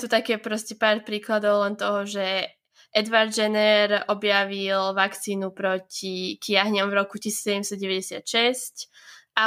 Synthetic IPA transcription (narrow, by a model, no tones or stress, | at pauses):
t̪uːt̪akɛpɾɔscɛpaːɾpɾiːklad̪ɔʊlɛnt̪ɔɦɔʒɛ | ʔɛd̪ʋaɾd̪d͡ʒɛnɛɾɔbjaʋilʋakt͡siːnupɾɔcikɪaɦɲɔmvɾɔkucisi̥ːsɛɟɛmst̪ɔɟɛʋɛɟɛsɪa̰t̪ʃɛsc | ʔa